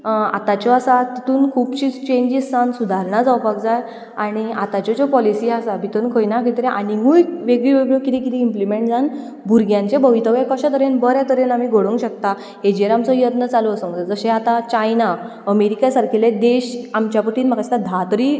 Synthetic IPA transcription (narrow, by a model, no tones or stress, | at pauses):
a̰t̪at͡ɕɔasat̪it̪uːnkʰuːpt͡ɕiːd͡zt͡ɕẽɲd͡ʑissansud̪ʱaɾnad͡zawpakd͡zaj | aɽ̃iat̪at͡ɕɔt͡ɕɔpɔlisiːasabʱit̪uːnkʰəjnakʰit̪ɾeʔaɽ̃imujʋeɡɭiʋeɡɭokit̪ʰikit̪ʰiːmplimeɳʈd͡zan | bʱuɾɡjãɲt͡ɕebəʋit̪əʋekəɕat̪əɾenbəɾjat̪əɾenamiɡʱoɽũŋɡɕək̚t̪a | ɦed͡ʑiəɾamt͡sɔjəd̪nət͡saloəsə̃ŋɡd͡zəd͡zəɕẽat̪at͡ɕajna | əmeɾikasaɾkʰiled̪eɕamt͡ɕjapəʈiːnm̤akast̪ad̪ʱat̪ɾi